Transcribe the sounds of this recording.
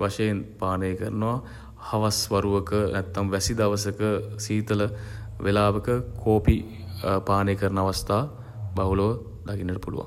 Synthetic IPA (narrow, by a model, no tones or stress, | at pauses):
ʋaʂɐjenpaːnəjkəɾnəʋa | hɐʋasʋɐɾuʋəkənɛt̪ːamʋɛsid̪ɐʋɐsəkəsiːt̪ələʋelaːʋəkəkʰoːpi | paːnəjkəɾnəaʋast̪aː | baɦuloʋə | d̪akinːəʈəpulṵʋa̰ŋ